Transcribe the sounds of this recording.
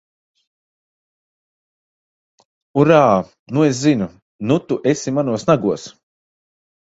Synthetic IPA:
uɾaː | nues̬zinu | nut̪uʔesimanuɔsnaɡuɔs

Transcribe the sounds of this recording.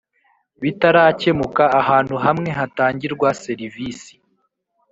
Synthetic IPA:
βitaɾaːce̞mukaːɦaːnhuɦamŋe̞ɦataːɲɟiɾɡwase̞ɾivisi̥

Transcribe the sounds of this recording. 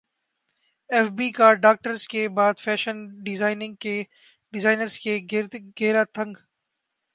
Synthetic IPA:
ɛfbiːkaɖaːk̚ʈəɾzkebaːd̪fɛːʃənɖɪzaːɪnɪ̃ŋɡ̚keː | ɖɪzaːɪnəɾzkeɡ̪ɡeːɾat̪ʰə̃ŋɡ

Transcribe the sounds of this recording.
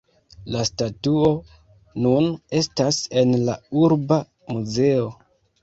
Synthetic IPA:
lastatuo̞ | nune̞stase̞nlauɾba | muze̞o̞

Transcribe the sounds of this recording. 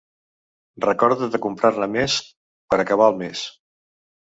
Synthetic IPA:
rəkɔɾðuðəkumpɾarnəmes | pəɾəkəβ̞aəlˠmes

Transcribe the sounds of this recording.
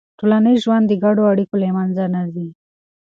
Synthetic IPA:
ʈolaniʒwand̪ːəɡaɽoaɽikolemanzanazi

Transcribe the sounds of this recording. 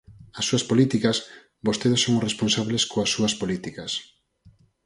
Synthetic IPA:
ɐsːuɐspolit̪ikɐs | bost̪eðosːoŋʊresponsaβleskoasːuɐspolit̪ikɐs

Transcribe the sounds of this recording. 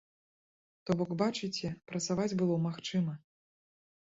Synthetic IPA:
t̪ɔbɔkbat͡ʂɨt͡sʲɛpɾɐt̪savad͡zʲbɨlˠɔmaxt͡ʂɨmɐ

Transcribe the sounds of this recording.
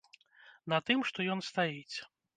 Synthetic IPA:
nɐt̪ɨmʂt̪ɔjɔnst̪ajit͡sʲ

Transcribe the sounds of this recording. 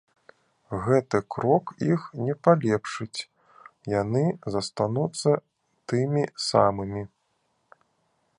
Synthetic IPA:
ɣɛt̪ɨkɾɔkixnʲɛpalʲɛpʂɨt͡sʲ | janɨzɐst̪anut̪sːɐ | t̪ɨmʲisamɨmʲi

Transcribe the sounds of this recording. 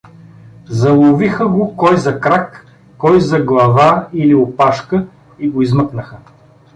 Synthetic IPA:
zɐlˠovixəɡokɔjzɐkɾakː | ɔjzɐɡlˠɐvailiopaʃkə | iɡoizməknəxə

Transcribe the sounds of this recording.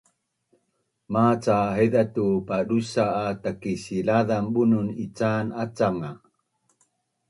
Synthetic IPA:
mat͡saɦedatupadusaːtakisilaðambununit͡sanat͡saŋa

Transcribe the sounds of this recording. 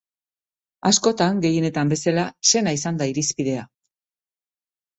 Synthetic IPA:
asko̞t̪aŋɡe̞je̞ne̞t̪ambe̞salase̞naisand̪aiɾispiðe̞a

